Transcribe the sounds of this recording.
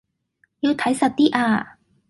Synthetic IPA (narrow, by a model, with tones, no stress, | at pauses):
ji˨˧wt̪ʰɐ˨˥jsɐ˨˩t̚t̪iː˥ʔaː˧